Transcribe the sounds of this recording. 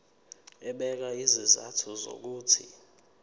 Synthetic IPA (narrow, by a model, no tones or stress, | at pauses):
ɛɓɛk̬aiziza̰tʰuzo̰k̬uːtʰi